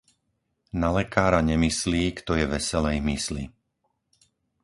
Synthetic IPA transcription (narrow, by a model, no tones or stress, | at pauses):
nalɛkaːɾaɲɛmisliːkt̪ɔjɛʋɛsɛlɛjmislḭ